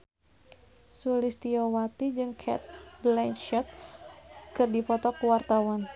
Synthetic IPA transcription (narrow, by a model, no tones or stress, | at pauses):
sulist̪iɔwat̪id͡ʒɨŋkʰɛ̰t̪̚blɛnʃɔt̪̚ | kɨrdipɔt̪ɔkuwart̪awan